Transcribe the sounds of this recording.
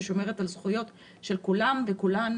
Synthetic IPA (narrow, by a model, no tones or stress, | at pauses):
ʃo̞me̞ʁ̞etalzχujo̞t | ʃe̞lkulamvekulan